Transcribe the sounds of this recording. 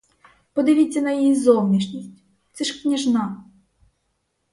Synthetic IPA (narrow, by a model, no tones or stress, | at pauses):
pɔd̪ɪʋʲit͡sʲːɐnɐjijizɔwnʲiʃnʲisʲtʲ | t̪sɛʃknʲɐʒnɑ